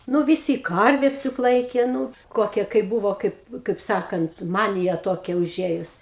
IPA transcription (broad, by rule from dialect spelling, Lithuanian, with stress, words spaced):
ˈnʊ ʋʲɪˈsʲiː ˈkɐrʲʋʲɛs jʊk ˈlˠɐɪkʲeː ˈnuː ˈkoːkʲɛ kɐɪp bʊʋoː ˈkɐɪp kɐɪp ˈsɑːkɐnt ˈmɑːnʲɪjɛ ˈtoːkʲɛ ʊˈʒʲeːjʊs